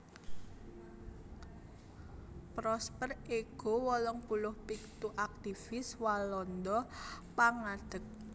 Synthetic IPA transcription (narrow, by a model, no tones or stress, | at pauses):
pɾɔspəreɡ̥o̤wɔlɔŋpulʊhpik̚t̪uʔak̚t̪ifɪswalɔnd̪ɔpaŋaɖ̪̥ək̚